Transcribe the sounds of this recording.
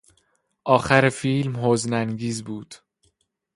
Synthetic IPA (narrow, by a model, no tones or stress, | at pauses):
ʔɒːxæɾefiːlmɦoːznæŋɡiːzbuːd̪̥